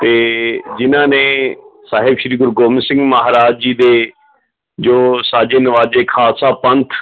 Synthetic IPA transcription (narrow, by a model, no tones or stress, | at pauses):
t̪eːd͡ʒɪnãːnẽsaːɦɪbʃɾiːɡʊɾɡoːmsɪ̃ŋɡmɐɦaɾaːd͡ʒiːd̪eː | d͡ʒoːsaːd͡ʒenɐʋaːd͡ʒeːkʰaːsapɐ̃nt̪ʰ